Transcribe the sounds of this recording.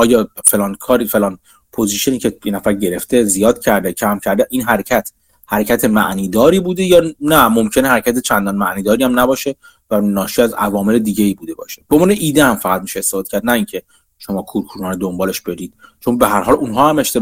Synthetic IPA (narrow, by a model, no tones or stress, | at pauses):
ɒːjɒːfe̞lɒːnkʰɒːɾiːfe̞lɒːn | pʰo̞ziːʃe̞niːcʰe̞jenæfæɾɟe̞ɾe̞ft̪e̞zijɒːd̪̚cʰæɾd̪ecʰæmcʰæɾd̪eʔiːnɦæɾecʰæt̪ʰ | hæɾecʰæt̪ʰemæʔniːd̪ɒːɾiːbuːd̪ejɒːnæmomcʰe̞nehæɾecʰʲæt̪ʰe̞t͡ʃʰænd̪ɒnmæʔniːd̪ɒːɾiːæmnæbɒːʃe̞ | vænɒːʃiæzævɒːme̞le̞d̪iːɟe̞iːbuːd̪e̞bɒ̰ːʃeb̥ombːneʔiːd̪ehæmfæɣæt̪̚miːʃeːst̪efɒːd̪e̥cʰæɾd̪næiːŋcʰe̞ | ʃo̞mɒːkʰuɾkʰuːɾɒːned̪o̞mbɒːle̞ʃb̥e̞ɾiːd̪̥t͡ʃʰo̞nbe̞ɦæɾɦɒːlunɦɒːhæmeʃt̪ʰe̞